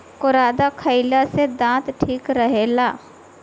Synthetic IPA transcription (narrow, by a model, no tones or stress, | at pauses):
kʊɾaːd̪akʰəɪlased̪ãːt̪ʈʰiːkɾəɦeːlaː